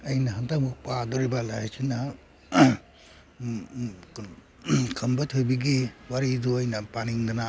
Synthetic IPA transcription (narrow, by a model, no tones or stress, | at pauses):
ɐjnɐɦɐntamuk̚padɔɾibalajat͡ʃʰina | kʰɐmbatʰojbiɡiwaɾiduɐjnɐpaniŋdana